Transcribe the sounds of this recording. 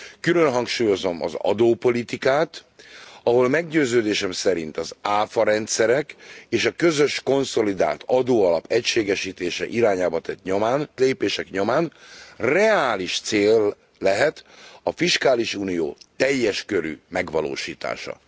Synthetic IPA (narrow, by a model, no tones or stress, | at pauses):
kylø̞nɦɒŋkʃuːjo̞zo̞mɒ̰zɒ̰d̪oːpo̞lit̪ikaːt̪ | ɒɦo̞lmɛɡɟøːzøːd̪eːʃɛmsɛɾint̪ɒzaːfɒɾɛnt̪sɛɾɛkeːʃɒkø̞zø̞ʃko̞nso̞lid̪a̰ːlt̪ɒd̪oːɒlɒpɛcʃeːɡɛʃiːt̪eːʃɛ̰ʔiɾaːɲaːbɒt̪ɛt̪ɲomaːnleːpeːʃɛkɲo̞maːnrɛaːliʃt̪seːlː | ɛɦɛt̪ɒfiʃkaːliʃuːnijo̰ːt̪ɛjːɛʃkø̞ɾy̰mɛɡʋɒlo̰ːʃiːt̪a̰ːʃɒ̰